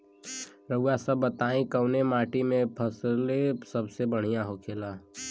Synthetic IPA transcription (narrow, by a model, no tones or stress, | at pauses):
ɾəujasəbːət̪aːĩkəwnemaːʈimẽpʰəslesəbsebəɽ̤ijaɦokʰeːlaː